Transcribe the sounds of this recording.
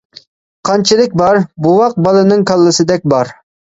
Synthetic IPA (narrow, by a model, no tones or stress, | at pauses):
qʰɑnt͡ʃʰilˠɪk̚ʲbɑɾbuwɑq̚bɑlˠɨnɨŋkʰɑlˠːɨsɨd̪ɛk̚ʲbɑɾ